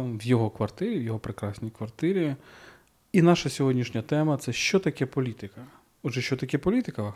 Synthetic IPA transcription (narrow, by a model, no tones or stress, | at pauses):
ʋjɔɦɔkʋɐrt̪ɪɾʲiwjɔɦɔpɾɪkɾɑsʲnʲijkʋɐrt̪ɪɾʲi | inɑʃɐsʲɔɦɔdʲnʲiʃnʲɐt̪ɛmɐt̪sɛʃt͡ʃɔt̪ɐkʲɛpɔlʲit̪ɪkɐ | ɔʒɛʃt͡ʃɔt̪ɐkʲɛpɔlʲit̪ɪkɐ